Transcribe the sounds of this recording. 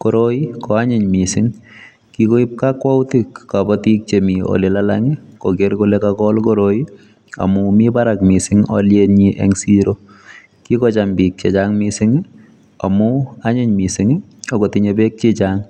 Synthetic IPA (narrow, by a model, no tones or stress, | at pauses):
koɾoikɔaɲɪɲmisɪŋ | kikoip̚kakwaʊtikːabɔtik̚t͡ʃemiɔ̰lelalaŋikɔkerkolekakɔlkoɾoi | a̰mʊmibaɾak̚misɪŋɔljeniʔḛŋsiɾo | kikɔt͡ʃambik̚t͡ʃet͡ʃaŋmisɪŋ | a̰mʊaɲɪɲmisɪŋi | okotiɲebek̚t͡ʃit͡ʃaŋ